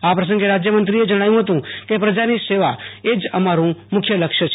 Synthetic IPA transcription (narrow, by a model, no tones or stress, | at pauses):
apɾəsə̃ŋɡeɾad͡ʒjəmənt̪ɾied͡ʒəɽ̃ajũɦət̪ũkepɾəd͡ʒaniseʋaed͡ʒəmaɾũmʊkʰjələkʃət͡ʃʰ